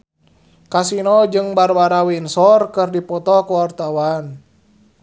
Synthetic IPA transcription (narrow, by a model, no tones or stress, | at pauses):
kasinɔd͡ʒɨŋbarwaɾawinsɔrkɨrdipɔt̪ɔkuwart̪awan